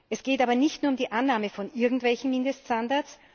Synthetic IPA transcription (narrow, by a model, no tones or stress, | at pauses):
ʔɛsɡ̥eːtaːbɐnɪçtnuɐʊmdiːʔanːaːməfɔnʔɪɐɡŋ̩tv̥ɛlçn̩mɪndəststandaɐs